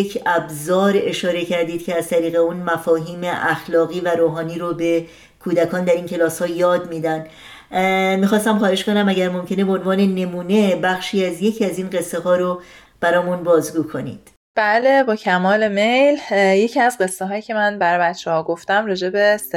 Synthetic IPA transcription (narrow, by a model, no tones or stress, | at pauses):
jecʰæbzɒːɾe̞ʃɒːɾe̞cʰæɾd̪iːd̪̚cʰeæzt̪ʰæɾiːɣeunmæfɒːɦiːme̞ʔæxlɒːɣiːvæɾoːɦɒːniːɾobe̞ | kʰuːd̪ækʰɒːnd̪æɾiːncʰe̞lɒːshɒːjɒːd̪miːd̪æn | miːxɒːst̪æmχɒːɾeʃko̞næmæɟæɾmo̞mcʰe̞nebeonvɒːne̞ne̞muːne̞bæxʃiːæzje̞cʰiːæziːnɢe̞sːeɦɒːɾo | b̥æɾɒːmunbɒːzɡuːkʰo̞nḭːd̪̥ | b̥æle̞bɒːcʰæmɒːle̞me̞jlje̞cʰiæzɢe̞sːeɦɒːjiːcʰe̞mænbæɾɒjbæt̪t͡ʃːʰehɒːɡo̞ft̪æmɾɒːd͡ʒe̞bes